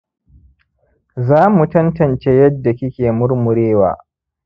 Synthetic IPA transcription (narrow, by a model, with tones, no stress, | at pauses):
zaː˦mu˨tɐ˦ntɐ˨nt͡ʃeː˦jɐ˦dːa˨kʲɪ˦kʲeː˨mʊ˦rmʊ˨ɾeː˦wa̰ː˨